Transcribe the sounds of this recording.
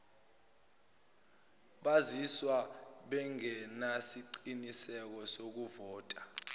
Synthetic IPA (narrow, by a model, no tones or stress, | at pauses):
ɓaziswaɓɛŋɛnasiǃinisɛk̬ɔsok̬uvɔːtʼa